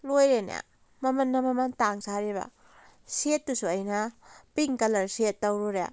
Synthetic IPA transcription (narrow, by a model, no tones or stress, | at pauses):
lojɾena̰ | mɐmɐnːɐmɐmɐntaŋsaɾeβɐ̰ | setːusuɐjnɐpiŋkɐlɐɾsetːɐwɾoɾḛ